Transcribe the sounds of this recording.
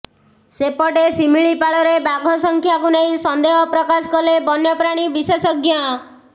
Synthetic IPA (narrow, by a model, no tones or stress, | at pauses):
sepɔʈesimiɭipaɭɔɾebaɡʱɔsɔŋkʰjakunejsɔnd̪eɦɔpɾɔkasɔkɔlebɔnjɔpɾaɽ̃ibisesɔɡʱja